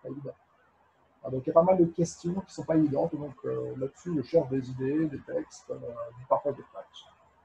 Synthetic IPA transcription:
paevid̪ɑ̃ | ad̪ɔ̃kjapamald̪əkʲɛst̪jɔ̃kʲi̥sɔ̃paevid̪ɑ̃t̪d̪ɔ̃kølad̪əsyəʃɛʁʒd̪ezid̪ed̪et̪ɛkst̪ød̪ypaʁfwad̪eflat͡ʃ

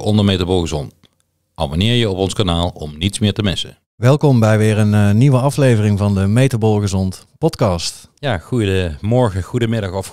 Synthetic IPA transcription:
ɔndəmejtabolɣəzɔnt | ʔɑ̰bonɪːɹjəɔpɔnskanaːlˠɔmnitsmɪːɹtəmɪsə | ʋɛlˠkɔmbɛjʋɪːɹənəniʋəɑflejvərɪŋvɑndəmejtəbolˠɣəzɔntpɔtkɑːst | jaːχujdəmɔɹχəχudəmɪdɑχɔf

